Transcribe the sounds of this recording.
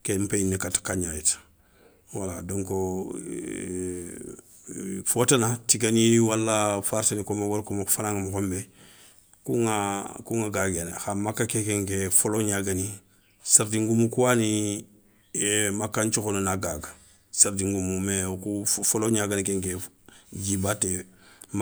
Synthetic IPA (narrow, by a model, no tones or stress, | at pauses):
kempeinːekatkaɲajetḁ | waladoŋko | fotanatiɡaniwalːafaɾsenikomaɡoɾkomafanaŋamuxombe | kuŋakuŋaɡaɡena̰xamakːakekeŋkefoloɲaɡani | saɾdiŋɡumukuwani | makːaɲt͡ʃukonunaɡaɡa | saɾdiŋɡumumekufoloɲaɡanikeŋke | d͡ʒibatem